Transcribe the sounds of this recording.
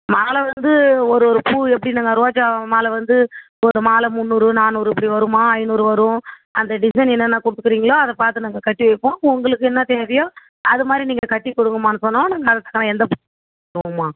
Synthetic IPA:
maːlɐʋɐnd̪ɯɔɾɯɔɾɯpuːɛpːɐɽinaŋɡɐɾaːt͡ʃːamaːlɐʋɐnd̪ɯ | ɔɾɯmaːlɐmʊnːuːɾɯnaːnːuːɾɯɛpːɐɽiʋɐɾɯmaːɐɪnuːɾɯʋɐɾʊ̃ | ɐnd̪ɐɖɪsɐɪnɛnːɐnːaːkɔɽɯt̪ːɯ̥kːɯɾiːŋɡɐɭoːɐðɐpaːɾt̪ɯnaːŋɡɐkɐʈːiʋɐɪpːõːʊŋɡɐɭɯkːɯɛnːɐt̪eːʋɪjõː | ɐðɯmaːd̪ɾiniːŋɡɐkɐʈːikɔɽɯŋɡɯmaːnːɯsɔnːãːnaːŋɡɐɐðɐt̪ːɐ̥kːɐnãɛnd̪ɐpu | ɐɽɯŋɡɯmːaː

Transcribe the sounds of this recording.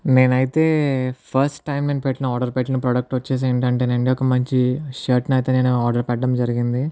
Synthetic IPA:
ne̞ːnɐjit̪e̞ːpʰɐɾsʈʈːɐjmneːnupɛʈːinɐaːɾɖɐɾpɛʈ̬ːinipɾɔːɖɐk̚ʈʋɐt͡ʃːeːs̬eːɳʈɐɳʈ̬eːneɳɖiɔkɐmɐɲt͡ʃiʂɐːɾʈnɐjt̪e̞ːneːnuaːɾɖɐɾpɛʈːɐmd͡ʒɐɾiɡind̪i

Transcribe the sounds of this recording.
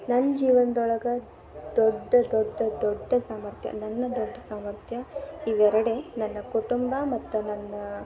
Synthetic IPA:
nɐnːd͡ʒiːʋɐnd̪ɔɭɐɡɐ | d̪ɔɖːɐd̪ɔɖːɐd̪ɔɖːɐsaːmɐɾt̪jɐ̰nɐnːɐd̪ɔɖːɐsaːmɐɾt̪jɐiʋɛɾɐɽe̞nɐnːɐkuʈumbɐmɐt̪ːunɐnːɐ

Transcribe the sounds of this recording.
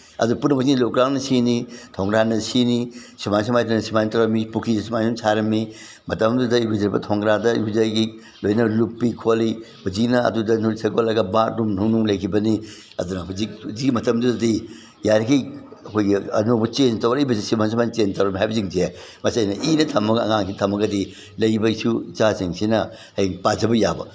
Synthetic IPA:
ɐ̰dupunːɐbuziŋilok̚ɾaŋnɐsinitʰoŋɡɾanɐsinisimans̬ɐmajtɐnɐsimanitɐwɾɐmipukʰizɐsimajsumsʰaɾɐmːi | mɐtɐmdudɐibizɐɾbɐtʰɔŋɡɾadɐḭbizajɡi | lojnɐlupːikʰoli | bud͡ʒinɐɐ̰dudɐnuisʰɐɡolɐɡɐbatɾumnunuŋlɐjkʰibɐni | ɐ̰dunɐɦud͡ʒikuziɡimɐtɐmdudɐdi | jaɾkʰiɐkʰojɡiɐ̰nobɐt͡ʃentɐwɾɐijbɐsisimans̬umant͡ʃentɐwɾɐmiɦajbɐziŋtie | mɐsiɐjnɐʔinɐtʰɐmɐɡɐ̰ŋaŋsʰitʰɐmɐɡɐdi | lɐjbɐisut͡ʃasiŋsinɐ | hɐiŋpad͡ʒɐbɐjabɐ̰

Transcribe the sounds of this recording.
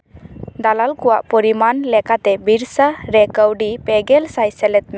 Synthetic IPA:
d̪alalkɔwaʔpɔɾimanlɛkat̪ɛbiɾsaɾɛkəwɖipɛɡɛlsajsɛlɛt̪̚mɛ

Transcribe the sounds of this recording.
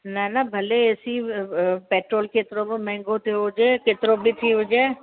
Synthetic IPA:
nanabʱɐleeːsi | peːʈɾoːlket̪ɾobmɛ̃ːŋɡõt̪ʰiɦʊd͡ʒeːkeːt̪ɪɾobʱit̪ʰiɦʊd͡ʒeː

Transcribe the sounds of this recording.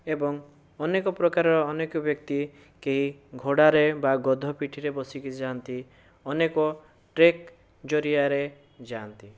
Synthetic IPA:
ebɔŋ | ɔnekɔpɾɔkaɾɔɾɔːnekjɔbjɔkt̪i | keɦiɡʱoɽaɾebaɡɔd̪ʱɔpiʈʰiɾebɔsikid͡ʒant̪i | ɔnekɔ | ʈɾek | d͡ʒɔɾiaɾe | d͡ʒant̪i

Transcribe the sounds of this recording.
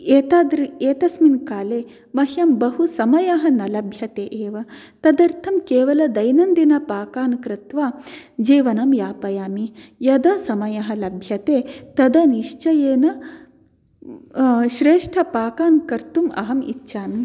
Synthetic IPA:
eːt̪aːd̪ɾieːt̪ɐsminkaːleː | mɐɦjɐmbɐɦusɐmɐjɐɦɐnɐlɐbʱjɐt̪eːʔeːʋɐt̪ɐd̪ɐɾt̪ʰɐmkeːʋɐlɐd̪ɐjnɐnd̪inɐpaːkaːnkɾɪt̪ʋaːd͡ʒiːʋɐnɐmjaːpɐjaːmijɐd̪ɐsɐmɐjɐɦɐ̆lɐbʱjɐt̪eːt̪ɐd̪ɐniʂt͡ʃɐjeːnɐ | ʃɾeːʂʈʰɐpaːkaːnkɐɾt̪umɐ̰ɦɐmḭtːʃʰaːmi

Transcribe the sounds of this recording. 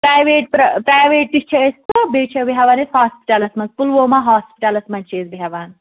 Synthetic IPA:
pɾaːjʋeːʈ̚pɾɐpɾaːjʋeːʈ̪̚ːit͡ʃʰɐest̪obeːt͡ʃʰɐbiɦaʋaːneshaːspi̥ʈaːlɐsmɐnzpulʋoːmaɦaːspiʈalɐsmɐnʲt͡ʃʰeːzbiɦaʋaːn

